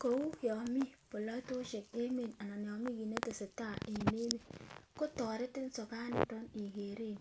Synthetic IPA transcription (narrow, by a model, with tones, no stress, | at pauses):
ko˨wu˦jɔ˨mi˦po˨lo˦to˦ʃe˨ke˦me˨na˨na˨n˨ɔ˨mi˦ɡi˨ne˦te˨si˨ta˦ʔe˨me˦mi˦ko˦tɔ˨ɾɪ˦tɪ˦n̩˦so˨ka˦nḭ˨to˦ni˨ɡe˨ɾe˦˨n˨